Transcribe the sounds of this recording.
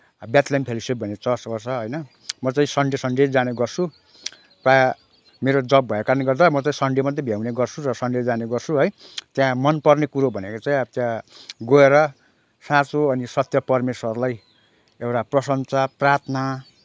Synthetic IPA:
bjat̪lampʰelosep̚bʱʌnet͡sʌsbʌrsʰʌɦʌjnʌ | mʌt͡saĩsʌɳɖesʌɳɖed͡zd͡zaneɡʌrsʰu | praj | meɾod͡zʌbbʱʌjekaneɡʌrd̪amʌt͡saĩsʌɳɖemʌt̪ebʱjawneɡʌrt͡sʰurʌsʌɳɖed͡zd͡zaneɡʌrt͡sʰuɦʌjt̪jãmʌnpʌrnekuɾobʱʌnekot͡saĩʌt̪jãɡoeɾʌ | sãt͡soʌnisʌt̪jʌpʌrmeswʌrlaj | ewʈaprʌsʌnt͡saprat̪ʰna

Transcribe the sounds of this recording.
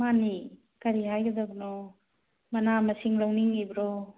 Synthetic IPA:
mani | kɐɾiɦajɡɐd̪abnɔ | mɐnamɐsiŋlawniŋibɾɔ

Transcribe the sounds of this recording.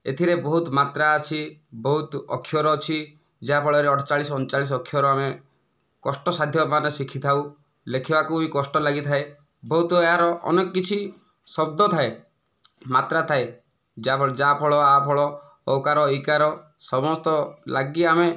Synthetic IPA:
ḛt̪ʰiɾebɔɦut̪mat̪ɾaːt͡ʃʰibɔɦut̪ɔ̰kʰːjɔɾɔt͡ʃʰi | d͡ʒeapʰɔɭɔɾeɔʈʰɔ̥t͡ʃaɭisɔɔnt͡ʃaɭis̬ɔkʰːjɔɾɔame | kɔsʈɔsad̪ʱjɔmanɔsikʰit̪ʰau | lekʰibakuikɔsʈɔlaɡit̪ʰae | bɔɦut̪ɔeɦaɾɔʔɔ̰nekɔkːit͡ʃʰi | sɔb̚d̪ʱɔt̪ʰae | mat̪ɾat̪ʰae | d͡ʒaɔd͡ʒapʰɔɭɔapʰɔɭɔ | ɔkaɾɔikaɾɔ | sɔmɔst̪ɔlaɡiame

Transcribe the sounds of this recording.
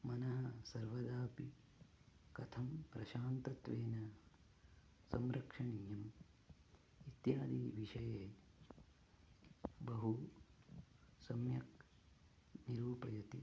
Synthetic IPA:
mɐnɐɦɐsɐɾʋɐd̪aːpi | kɐt̪ʰɐmpɾɐʃaːnt̪ɐt̪ʋeːnɐ | sɐmɾɐkʂɐɳiːjɐm | it̪jaːd̪iːʋiʃɐjeː | bɐɦu | sɐmjɐk̚ | niɾuːpɐjɐt̪i

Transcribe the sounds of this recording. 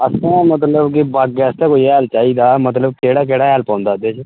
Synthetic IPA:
əsãːmət̪ləbkɪbaɡɛːst̪aːkoːiːɛːlt͡ʃaːiːd̪aːmət̪ləb̚keːɽaːk̬eːɽaːɦɛːlpãːnd̪aːd̪eːt͡ʃ

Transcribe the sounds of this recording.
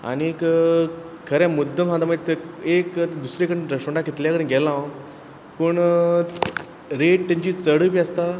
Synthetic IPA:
a̰niek | kʰəɾɛ̃mud̪ʱːəmsãd̪aməɡet̪ek̪d̪usɾekəɽẽɾəɕuɳɖakit̪ljakəɽẽɡɛlãw | pəɳ | ɾeʈ̚t̪ẽɲd͡ʑiːt͡səɽəpiəst̪a

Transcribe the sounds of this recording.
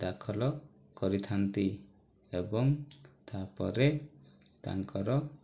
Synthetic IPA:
d̪akʰɔlɔ | kɔɾit̪ʰant̪i | ebɔŋt̪ʰapɔ̰ɾe | t̪a̰ŋkɔɾɔ

